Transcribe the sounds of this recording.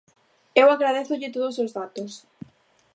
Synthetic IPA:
ewaɣɾað̞eθʊʎɪt̪oðosozðat̪os

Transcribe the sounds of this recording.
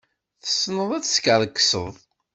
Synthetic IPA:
θə̥sːnəðˤæt͡sːskəɾˤəkːsə̰ðˤ

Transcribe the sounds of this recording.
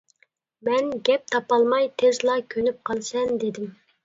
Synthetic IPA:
mɛnɡʲɛp̚t̪ʰɑpɑlˠmɑjt̪ʰezlˠɑkʲʰønyp̚qʰɑlˠsɛnd̪ɪd̪ɪm

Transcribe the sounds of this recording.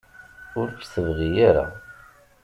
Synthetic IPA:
ʊɾkθəvʁijaɾa̰

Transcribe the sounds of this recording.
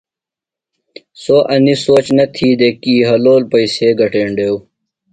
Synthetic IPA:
soːʔɐnisoːt͡ɕnɐt̪ʰiːd̪ekiːɦɐloːlpɐiseːɡɐʈeːɳɖeːw

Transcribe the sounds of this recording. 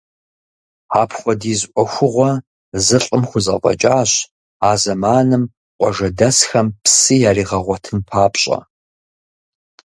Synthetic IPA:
aːpʰχʷɔdiːzʔʷʼɔxʷʊʁʷɔ | zɨɬʼɨmχʷʊzɐqʼɐ̰t͡ʃʼaːɕ | aːzɐmaːnɨm | qʷʼɔʒɐdɐsxɐmpsɨjaːriːʁɐʁʷɔtʰɨnpʰaːpʼɕʼɐ̰

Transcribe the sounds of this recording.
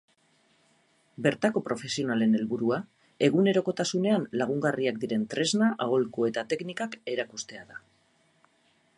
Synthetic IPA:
be̞ɾt̪ako̞pɾo̞fe̞sio̞nale̞ne̞lβuɾua | e̞ɣ̞une̞ɾo̞ko̞t̪asune̞anlaɣ̞uŋɡariak̚d̪iɾe̞nt̪ɾe̞znaʔaolkue̞t̪at̪e̞knikake̞ɾakust̪e̞aða

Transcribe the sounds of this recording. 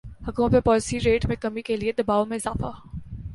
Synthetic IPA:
hɐkuːmət̪mẽpɔːlɪsiɾeːʈmẽkɐmikelied̪ɐbaːomẽɪzaːfa

